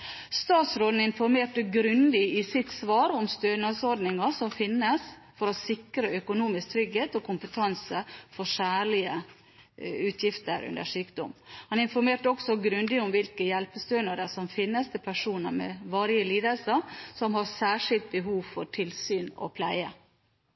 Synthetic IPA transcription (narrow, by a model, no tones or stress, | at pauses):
st̪ɑːt̪sɾoːd̪n̩ɪnfɔɾmeːʈəɡɾʉnd̪ɪɪsɪt̪sʋɑːɾɔmst̪øːnɑsɔɾɖnɪŋɑʂɔmfɪnːəs | fɔɾɔsɪkɾəœkʊnuːmɪsk̚t̪ʰɾʏɡheːt̪ɔkʰʊmpət̪ʰɑnsəfɔʂæːɭɪə | ʉːt̪ʰjɪft̪ə̰ɾʉ̰nd̪ə̰ʂyːkd̪ɔ̰mhɑnɪnfɔɾmeːʈəɔksɔɡɾʉnd̪ɪʊmʋɪlkəjɛlpəst̪øːnɑd̪əsɔmfɪnːəst̪ʰɪpʰæʂuːnə̰mɛ̰ʋɑːɾjəliːd̪əlsəɾsɔmɦɑɾsæːʂɪlt̪̚bəɦuːʋfɔʈʰɪlsyːnɔ̰pʰlæɪə